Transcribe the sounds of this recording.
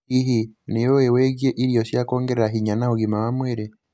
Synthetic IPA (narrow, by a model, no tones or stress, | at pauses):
iɦinijoeweɡjeʔiɾijoʃjakoːŋɡeɾeɾaɦiɲanahuɡimawamweɾe